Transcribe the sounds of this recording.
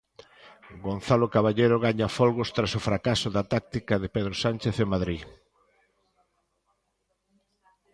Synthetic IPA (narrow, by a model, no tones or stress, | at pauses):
ɡonθalokaβaʎejɾoɣaɲafɔlɣost̪ɾasʊfɾakasʊðat̪ak̚t̪ikɐðɪpeðɾosanʲt͡ʃeθemaðɾi